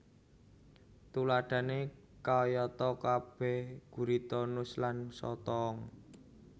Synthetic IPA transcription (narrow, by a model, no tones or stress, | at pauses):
t̪ulaɖ̥ä̤ne | kaɔjɔt̪ɔkab̥ɛhɡ̥ṳɾit̪ɔnʊslansɔ̰t̪ɔŋ